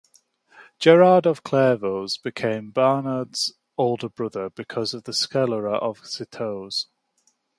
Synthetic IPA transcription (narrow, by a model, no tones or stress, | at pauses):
d̥ʒ̥ɛɹɑːdəv̥kʰl̥ɛːvoʊzbɪkʰẽɪ̃mbɑːnəːdz̥ | oʊlˠdəbɹʊðəbɪkʰʌzəvðəskɛləɹəʔəv̥sɪtʰoʊz̥